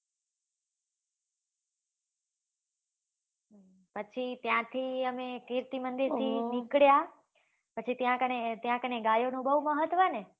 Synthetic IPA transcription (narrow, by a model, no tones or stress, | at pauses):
pət͡ʃʰit̪jãt̪ʰiəmekiɾt̪imənd̪iɾt̪ʰinikɽja | pət͡ʃʰit̪jãkənet̪jãkəneɡajonũbəɦuməɦət̪ʋəne